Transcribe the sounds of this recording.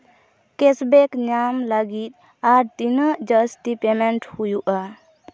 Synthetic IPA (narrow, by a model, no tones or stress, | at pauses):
kɛsbɛkɲamləɡit̪̚ | aɾt̪inəʔd͡ʒəsʈipemɛɳʈhujuʔa